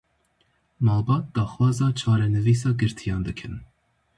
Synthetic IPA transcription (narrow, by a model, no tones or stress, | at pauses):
mɑːlbɑːt̪̚d̪̥ɑːxwɑːzɑːt͡ʃʰɑːɾɛnɨviːs̬ɑːɡɨɾt̪ʰijɑːnd̪ɨkʰɨn